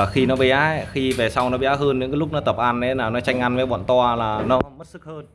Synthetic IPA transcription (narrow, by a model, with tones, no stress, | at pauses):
xi˧nɔ˨˦ɓi˨˧˩ʔaː˦˥xi˧ve˨˩sa˧wnɔ˨˦ɓi˧˨ʔaː˦˥ɦəː˧nɲɨ̰˧˥kaː˨˦lʊ˦˥k̚nɔ˨˦t̪ə˨˩p̚ʔa˧nːe˨˦laː˨˩nɔ˨˦t͡ɕa˧jŋ̟ʔa˧nve˨˦ɓɔ̰˧˨nt̪waː˧laː˨˩nɔ˨˦mə˦˥t̚sɨ˦˥k̚həː˧n